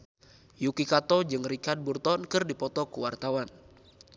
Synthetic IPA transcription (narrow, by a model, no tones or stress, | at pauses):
jukikat̪ɔd͡ʒɨŋrikad̪̚burt̪ɔnkɨrdipɔt̪ɔkuwart̪awan